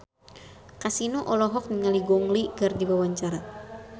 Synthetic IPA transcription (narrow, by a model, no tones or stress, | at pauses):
kasinoʔɔlɔɦɔk̚niŋaliɡɔŋliɡardiwawaɲt͡ʃaɾa